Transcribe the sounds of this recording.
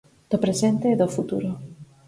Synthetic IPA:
d̪̥opɾesent̪eːðofut̪ṵɾo

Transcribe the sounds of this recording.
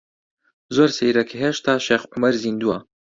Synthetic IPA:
zoːɾsejɾekʰiɦeːʃt̪ʰaːʃeːxʕʊmɐɾzind̪uwɐ

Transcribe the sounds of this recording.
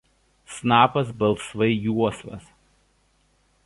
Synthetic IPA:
snɑːpɐs̬bɐlˠˑsʋɐɪjuɔsʋɐ̰s

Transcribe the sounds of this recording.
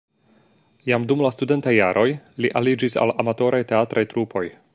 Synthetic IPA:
jamdumlastude̞ntajːaɾʔo̞jliʔalid͡ʒisa̰lamato̞ɾajte̞atɾajtɾupʰo̞j

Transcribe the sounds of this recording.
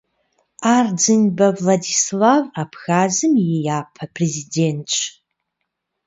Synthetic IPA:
aːrd͡zɨnbɐvladislavapʰxaːzɨmjɛjaːpʰɐpʰrezident͡ʃʼʰ

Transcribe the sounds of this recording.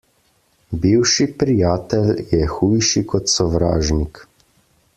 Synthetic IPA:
biwʃipɾijaːt̪ɛljɛxuːjʃikɔt̪sɔʋɾa̰ːʒnik

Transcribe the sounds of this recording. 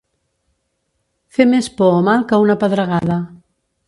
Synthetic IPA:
femespɔomalˠkəunapəðɾəɣaða

